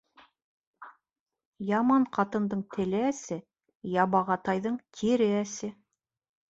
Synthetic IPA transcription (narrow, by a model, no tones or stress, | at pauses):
jɑmɑɴqʰɑt̪ɤ̆nd̪ɤɴt̪ʰɘ̆lɘæsɘ | jɑbɑʁɑt̪ɑjðɤɴt̪ʲʰiɾɘæsɘ